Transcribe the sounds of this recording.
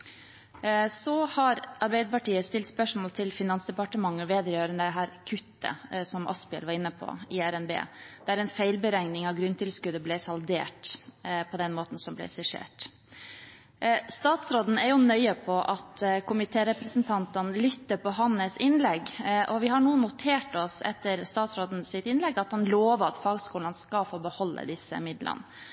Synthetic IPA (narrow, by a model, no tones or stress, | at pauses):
sɔhɑɾɑɾbɛɪd̪əpɑʈiːəst̪ɪlt̪spœʂmoːlt̪ʰɪlfɪnɑnsd̪ɛpɑʈəmɑŋːəʋeːd̪əɾjøːɾənd̪ɛɦæːɾkʰʉt̪ːə̰sɔmʔɑ̰spɪɛ̰lʋɑɾɪnːəpʰɔ̰ɪæɾɛnbḛːd̪̥æɾɛnfæɪlbəɾæŋnɪŋɑʋɡɾʉnt̪ʰɪlskʉd̪əblɛːsɑld̪ḛːʈpʰɔd̪ɛnmoːt̪n̩sɔmblɛ̰sɛʂḛːʈ | st̪ɑːt̪sɾoːd̪n̩æɾjʊnœʏəpʰɔʔɑt̪kʰʊmɪt̪ʰeːɾɛpɾəsnt̪ʰɑnt̪ənlʏt̪ːəɾpɔɦɑnːəsɪnlɛɡʔɔʋɪɦɑɳuːənːʊt̪ʰeːʈɔsɛ̰t̪ːəɾst̪ɑːt̪sɾoːd̪n̩sɪt̪ɪnlɛɡɑt̪hɑnloːʋəɑt̪fɑːɡskuːlənskɑfoːbəhɔlːə̰d̪ɪsə̰mɪd̪lə̰n